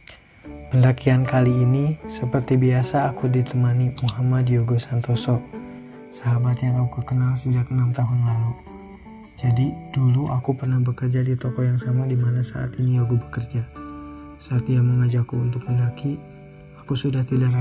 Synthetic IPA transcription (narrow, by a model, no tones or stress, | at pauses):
pəlakiankaliːnisəpərt̪ibiasaːkudit̪əmanimuɦamadjoɡosant̪ɔsɔʔ | saɦabat̪jaŋaukəkənalsəd͡ʒakənamt̪aɦʊnlalu | d͡ʒadiduluʔakupərnahbəkərd͡ʒadit̪ɔkɔjaŋsamadimanasa̰ʔa̰t̪iniaɡubəkərd͡ʒa | saːt̪ijaŋməŋad͡ʒakuunt̪ʊk̚məlaki | akusudaht̪idaɾa